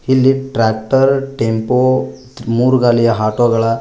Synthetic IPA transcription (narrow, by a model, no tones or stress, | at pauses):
hiliʈ̚ʈɾɛk̚ʈəɾʈempo | muɾɡalijaɦaʈoɡɐɭa